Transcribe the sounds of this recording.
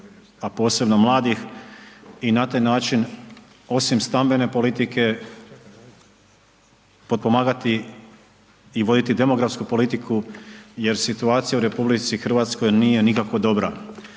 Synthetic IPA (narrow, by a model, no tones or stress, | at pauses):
apo̞ːse̞bno̞mlˠaːd̪ix | inat̪aːjnaːt͡ʃin | o̞simst̪ambe̞ne̞po̞lit̪ike̞ | po̞t̪̚po̞maːɡat̪i | ʋo̞d̪it̪id̪e̞mo̞ɡɾafskupo̞lit̪ikʰuje̞ɾsit̪uaːt̪sijauɾe̞publit̪sixr̩ʋaːt̪sko̞jniːje̞nikakʋo̞d̪o̞bɾa